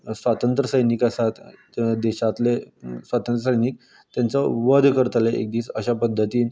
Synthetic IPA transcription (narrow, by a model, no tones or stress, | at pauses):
sʋat̪ənt̪ɾəsəjniːkəsat̪ | d̪eɕat̪lesʋat̪ənt̪ɾəsəjniːk̚ | t̪jant͡səʋəd̪ʱkəɾt̪aleḛk̚d̪iːt͡səɕapəd̪ʱːət̪iːn